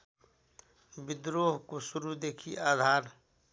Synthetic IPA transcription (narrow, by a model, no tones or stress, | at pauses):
bɪd̪ɾoːɦkosʊɾud̪eːkʰiʔaːd̪ʱaːɾ